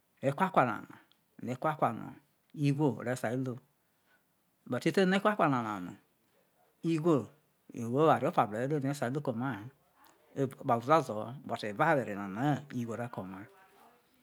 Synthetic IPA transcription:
e˨˦kʷa˦kʷa˨na̰˨no̰˨ | n˨e˨˦kʷa˦kʷa˨no̰˨ | i˦ɡʷo˦˨ɾe˨˦sa˨i˦lo˦˨ | ba˨ti˦te˦ne˦kʷa˦kʷa˨n˨a˨na̰˨no̰˨ | i˦ɡʷo˦˨ | wo˦a˨ɾi˦o˦pa˨be˨e˦o˦˨n˨e˦sa˨i˦lo˦ko˨ma˦˨ | ba˨u˨za˦zo˨˦bo˨te˨va˦βe˨ɾe˨na˨na˨˦i˦ɡʷo˨ɾa˦ko˨ma˦

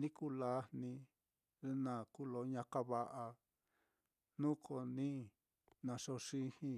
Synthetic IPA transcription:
nĩ˦ku˦la˦nĩ˧ | e˧˦nã˨ku˦lo˧˦ɲã˧ka˦βa˧ʔa˧ | nũ˦kʰo˧nĩ˦ | nã˨ʂo˧ʂĩ˧˦hĩ˧˦

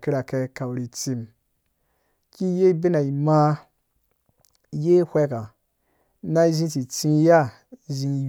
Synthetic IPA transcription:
ki˦ɾa˨ke˧ka˨wɾi˨t͡si˧m | ki˦je˦be˦na˨i˨ma˦ | je˦hʷe˦ka˨ | na˦zĩ˦ti˨t͡sĩ˦ja˦˨ | zĩ˧j

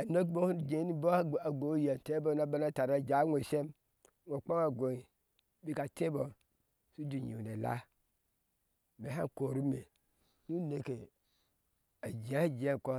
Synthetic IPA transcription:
a˨no˦bo˦hu˦n˨d͡ʒe˨˦ni˦bo˦˨a˨ɡo˨˦je˨n˨te˦bo˦na˦ba˦na˦ta˨ɾa˦˨d͡ʒa˨˦ŋʷo˨se˦m | ŋʷo˨k͡po˦ŋa˨ɡo˨i˨ | bi˦ka˨te˦bo˨ | su˦du˨ɲḭ˨ne˨la̰˦ | me˨ɦa˦n˨ko˨ɾu˦me˨ | nu˦ne˨ke˨ | a˨d͡ʒa˦d͡ʒe˦˨ko˦

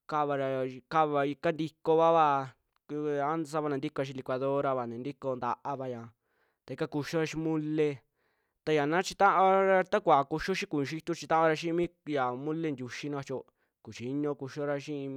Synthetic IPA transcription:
ka˧βa˧ɾa˧ka˦βa˧i˧ka˦nd̪i˧ko˧βa˦βa˧ | a˦ns̬a˧βa˧nã˨nd̪i˦ko˧a˧ʃ̬ĩ˧li˧kʷa˧ðo˦ɾa˧βa˨nẽ˨nd̪i˦ko˧nd̪a̰˧ʔa˧βa˧jã˨ | t̪a˧i˧ka˦ku˧ʃo˦ɾa˧ʃi˧mũ˦le˧ | t̪a˧ja˨nã˦t͡ʃi˧t̪ã˦ʔã˦ɾa˧t̪a˦kʷa˨ku˧ʃo˦ʃĩ˦kũ˨˧ʃi˧t̪u˦˧t͡ʃi˧t̪ã˦ʔã˦˧ɾa˧ʃĩ˦˧mĩː˦ja˨mũ˦le˦˧nd̪ʲu˧ʃi˦nã˧βa˧t͡ʃo˧ | ku˨t͡ʃi˨˦ɲõ˧ku˧ʃo˦ɾa˧ʃĩ˦˧

